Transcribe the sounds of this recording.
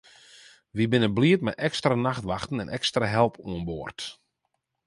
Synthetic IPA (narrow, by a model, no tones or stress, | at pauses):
ʋibɪnəbliətmɛtɛkstranaxtʋaxtən̩ɛnʔɛkstraɦɛlˠpʰuənboːrt